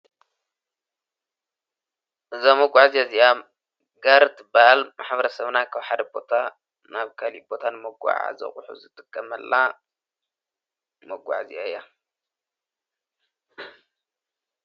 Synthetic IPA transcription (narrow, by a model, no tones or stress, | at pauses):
ʔɨzamɐɡʷaʕzijazija | ɡaɾt̪baʔlmaħbɐɾɐsɐβnakʰaβħad̪ɐbo̞t̪ʰa | naβkʰalibo̞t̪ʰanmɐɡʷa̰ʕa̰zɐ̰χʼħṵzɨt̪ʼɨkʼːɐmɐlːa | mɐɡʷa̰ʕzḭjaɨjːa